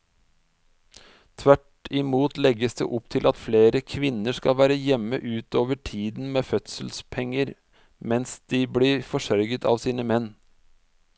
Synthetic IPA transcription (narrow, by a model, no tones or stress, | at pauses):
t̪ʰʋæʈ | ɪmuːt̪lɛɡəsd̪ḛːʔɔpt̪ʰɪlʔɑt̪fleːɾəkʰʋɪnəʂkɑlʋæːɾəjɛmːəʔʉːt̪oːʋəʈʰiːd̪n̩meːfœt̪səl̩spʰɛŋːəɾ | mɛnsd̪̥iːbliːɾfɔʂɔɾɡət̪ʰɑ̰ːʋsiːnəmɛn